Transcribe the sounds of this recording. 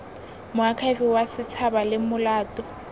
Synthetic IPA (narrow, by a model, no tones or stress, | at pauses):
mʊakʰaɪfɪwasɪt͡sʰabalɪmʊlaːtʼɔ